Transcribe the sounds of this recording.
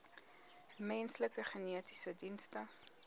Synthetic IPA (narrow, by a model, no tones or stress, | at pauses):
mɛnsləkəχəniəti̥sədinstə